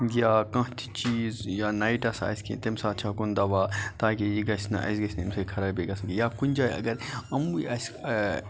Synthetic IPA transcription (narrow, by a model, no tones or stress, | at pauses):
jaːkãt̪ʰi̥t͡ʃiːzjaːnaːiʈɐsa̰skḭt̪emsaːt͡ʃʰaːkund̪aʋaːt̪aːk̬ejiɡɐsnɐ̰ʔɐ̰s̬ɡɐsʲnmsekʰɐɾabeɡasɐɡijaːkunʲd͡ʒaːjɐ̰ɡɐɾɐmuɐs